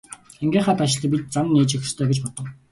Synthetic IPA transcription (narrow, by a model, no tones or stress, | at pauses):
eŋɡeːχaːp̪aʃɪ̆ɮə̆p̬ʲit̪̚t͡sanːiːt͡ɕix̆st̪ʰœːɡet͡ɕpɔt̪ɞ̆w